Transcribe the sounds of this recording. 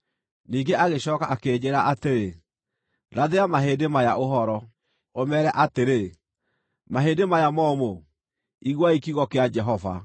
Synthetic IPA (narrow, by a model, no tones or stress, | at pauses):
niːŋɡeʔaɣeɕɔːkaʔakeːd͡ʑeɾaʔateɾe | ɾaðeɾamaɦeːdemajaʔoɦɔɾɔ | omɛɾɛʔateɾe | maɦeːdemajamɔmo | iɣwaikiɣɔkead͡ʒɛɦɔva̰